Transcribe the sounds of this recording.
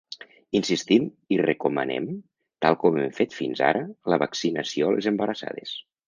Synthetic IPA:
insist̪im | irekumə̰nḛm | t̪alˠkɔmemfet̪finza̰ɾələβəksinəsiolʔezəmbəɾəsa̰ðes

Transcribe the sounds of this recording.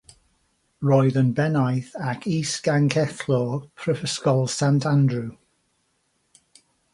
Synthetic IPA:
ɹɔjðənbɛnajθakʰiːsɡ̥aŋkʰɛθlɔpʰɹəfəskɔlˠsãntʰãndɹu

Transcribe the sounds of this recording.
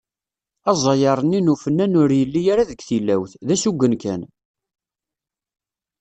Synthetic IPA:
ɑzˤɑjɑɾˤənːinufənːænʊɾjəlːijaɾaðəɡθilːæwθðæsuɡʷːənkæn

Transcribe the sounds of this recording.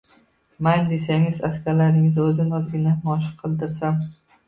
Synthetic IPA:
majd̪esaŋɪzaskʲaɾlaɾnɪŋɪzɵzɪnɒzɡʲɪnamɒʃ̬ɨ̥qʰːɨlˠd̪ɪɾsam

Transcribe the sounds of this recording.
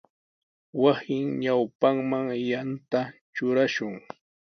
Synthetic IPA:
wasɪŋɲawpaŋmaŋjant̪at͡ʃʊɾaʃʊŋ

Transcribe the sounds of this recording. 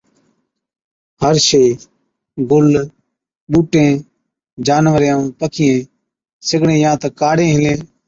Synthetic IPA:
həɾʃeː | ɡʊl | ɓuːʈẽː | d͡ʒaːnʋəɾjãːpəkʰɪjẽː | sɪɡɳẽːjãːt̪əkaːɽẽːɦɪlẽː

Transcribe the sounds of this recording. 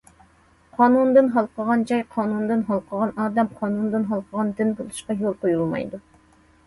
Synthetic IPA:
qʰɑːnund̪ɨnɦɑlˠqʰəʁɑnd͡ʒɑjqʰɑːnund̪ɨnɦɑlˠqʰəʁɑnɑːd̪ɛmqʰɑːnund̪ɨnɦɑlˠqʰəʁɑnd̪ɪnbolˠuʃqɑjolˠqojulˠmɑ̰jd̪u

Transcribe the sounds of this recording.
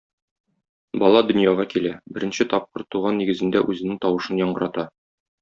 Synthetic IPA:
bɒlˠɑd̪ɵ̆njɑʁɑkilæbɘ̆ɾɘ̆nɕɘt̪ɒp̚qɤɾt̪ːuʁɑnːiɡɘ̆zɘ̆nd̪æʔʉzɘ̆nɘŋt̪ɒwɤ̆ʃɤnjɒɴɢɤ̆ɾʔɑt̪ɑ

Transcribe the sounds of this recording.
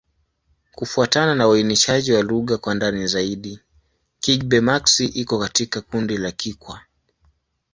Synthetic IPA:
kufuatananawainiʃaʄiwaluɣakwandanizaiɗi | kiɡ̚ɓɛmaksiʔikɔkatikakundilakikwa

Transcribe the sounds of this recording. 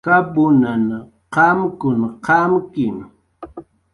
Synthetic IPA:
kapʊnan | qɑmkʊnqɑmkɪm

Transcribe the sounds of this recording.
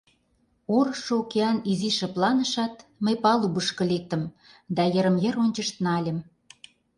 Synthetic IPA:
oɾɤʃŏukeɑniziʃĕplɑnə̆ʃɑt̪̚məjpɑlubəʃkɤ̆lek̚t̪ə̆m | d̪ɑjə̆ɾə̆mjə̆ɾonʲt͡ɕə̆ʃt̪nɑlʲə̆m

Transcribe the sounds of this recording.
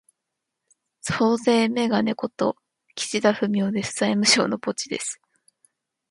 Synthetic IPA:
so̞ːze̞ːme̞ɡane̞ko̞t̪o̞̰ | kʲi̥t͡ɕid̪aɸɯ̟mʲjo̞ːd̪e̞sɨ̥z̥aimɯ̟ɕo̞̰ːno̞po̞t͡ɕid̪e̞̰sɨ̥

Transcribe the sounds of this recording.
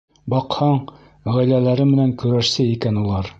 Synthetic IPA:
bɑqhɑɴ | ʁæjlælæɾɘmɘ̆næŋkɵ̆ɾæʃsɘikænulˠɑɾ

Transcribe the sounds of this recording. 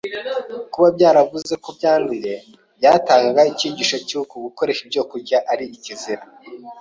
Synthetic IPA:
kuβabɟaːɾavuze̞kobɟaːndije̞ | bjaːtaːŋɡaɡaiciːɟiːʃacuukuɡuko̞ɾe̞ʃib̚ɟo̞ːkuɾɟaʔaɾiiciziɾa

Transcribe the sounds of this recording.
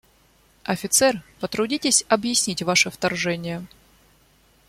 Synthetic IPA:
ɐfʲɪt̪sɛrpət̪ɾʊdʲitʲɪsʲɐbjɪsʲnʲitʲvaʂɨft̪ɐrʐɛnʲɪjə

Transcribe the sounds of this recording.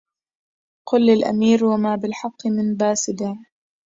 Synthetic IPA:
qʊlːɪlʔa̰miːɾwamaːbɪlħɑqːɨmɪnbaːsɪd̪ɪ

